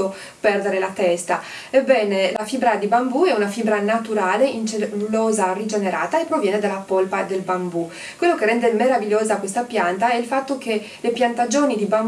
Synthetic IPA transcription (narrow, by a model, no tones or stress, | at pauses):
o | pɛrd̪eɾelat̪ɛst̪a | ebːɛːnelafibɾad̪ibambuɛunafibɾanat̪uɾaːleint͡ʃeulɔːzarid͡ʒeneɾa̰ːt̪aepːɾovjɛːned̪alːapolpad̪elbambu | kwelːokerːɛnd̪emeɾaviljoːzakwest̪apjant̪aɛilfat̪ːok̟e | lepjant̪ad͡ʒoːnid̪ibam